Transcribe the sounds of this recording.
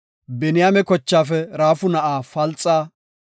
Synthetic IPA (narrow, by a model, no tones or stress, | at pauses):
bɛnɪjaːmɛkɔt͡ʃːaːfɛɾaːfʊnɐʔaːfɐlt͡sʼːaː